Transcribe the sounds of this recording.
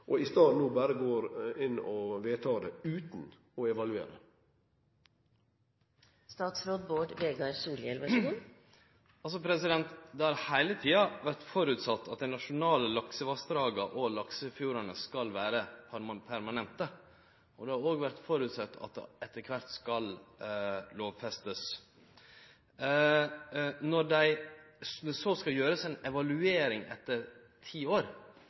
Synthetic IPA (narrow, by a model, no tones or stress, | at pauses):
ʔɔɪst̪ɑːnuːbæːɾəɡoːɾɪnɔʋeːt̪ʰɑːd̪ɛʉːt̪n | ɔɛʋɑlʉḛːɾə̰ | st̪ɑːt̪sɾoːd̪boːʈʋeːɡɑɾsuːljɛlʋɑu | ɑlsɔpʰɾɛsɪd̪ɛnt̪d̪ɛhɑɾhæɪlət̪ʰiːɑʋæɾt̪fɔɾʉt̪sɑt̪ːɑt̪̚d̪æɪnɑʂʊnɑːləlɑksəʋɑst̪ɾɑːɡɑʔɔlɑksəfjuːɾɑnəskɑlʋæːɾəppʰæɾmɑnɛnt̪ə | ɔd̪ɛhɑɾoːɡʋæɾt̪fɔɾʉːt̪sɑt̪ːɑ̰t̪̚d̪ɛ̰ɛt̪ːəɾkʰʋɑt̪skɑl | loːʋfɛst̪əs | nɔɖæɪ | sd̪ɛsɔskɑljøːɾəsɛɪnɛʋɑlʉeːɾɪŋɛ̰t̪ːəɾ | t̪ʰiːoːɾ